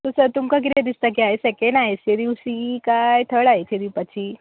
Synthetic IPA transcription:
t̪osəɾt̪umkak̬it̪ed̪ist̪ak̬iaɦesɛkeɳnaɦesed̪iwsikajt̪ʰəɽaɦeted̪iwpat͡ɕʰiː

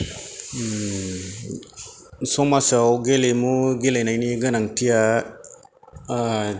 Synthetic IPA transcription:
somasawɡelemuɡelenajniɡənaŋtija

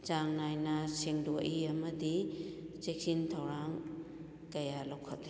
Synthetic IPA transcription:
t͡ʃaŋnajnɐsiŋdoʔiɐmɐdit͡ʃek̚sintʰɐwɾaŋ | kɐjalowkʰɔtːi

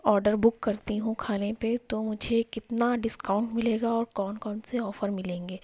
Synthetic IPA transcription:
ɔːɾɖəɾbʊkːɐɾt̪iɦũkʰaːnepet̪omʊd͡ʒʱekɪt̪naɖɪskaːʊ̃ɳʈmɪleːɡaɔːɾkɔːnkɔːnseɔːfəɾmɪlẽːŋɡeː

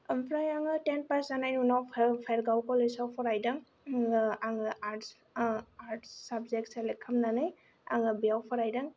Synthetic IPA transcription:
mpʰɾajaŋɯtenpasanajnunawpʰpʰaɾɡawkɔlesawpʰɔɾajdaŋ | aŋɯaɾt | aɾtsabzek̚tselɛkʰːamnanɯj | a̰ŋɯbijawpʰɔɾajdaŋ

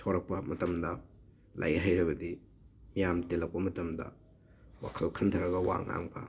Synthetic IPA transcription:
tʰowɾɐk̚pɐmɐtɐmdɐ | lʔa̰jɦajɾɐbɐdi | mijamtelɐk̚pɐmɐtɐmdɐ̰ | wa̰kʰɐlkʰɐntʰɐɾɐɡɐwa̰ŋa̰ŋpʰɐ̰

